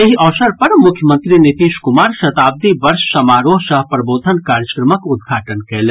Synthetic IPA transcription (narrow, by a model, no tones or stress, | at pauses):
eɦiɐːʋʃəɾpɐɾmʊkʰjəmə̃nt̪ɾinɪt̪iːʃkʊmaːɾʃɐt̪aːb̚d̪ibɐɾʃsɐmaːɾõsɐɦpɾɐboːd̪ʱənkaːɾjəkɾəməkʊd̪ɡʱaːʈənkeːle